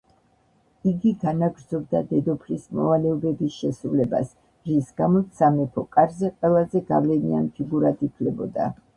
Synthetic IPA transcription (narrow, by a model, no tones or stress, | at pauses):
iɡiɡanaɡɾd̪zɔb̚d̪ad̪ɛd̪ɔpʰɾismɔ̰valɛɔbɛbisʃɛsɾulɛba̰s | ɾisɡamɔt̪samɛpʰɔkʼaɾzɛqʼwɛlˠazɛɡa̰vlɛnḭa̰npʰiɡuɾad̪ipʰlɛbɔd̪a̰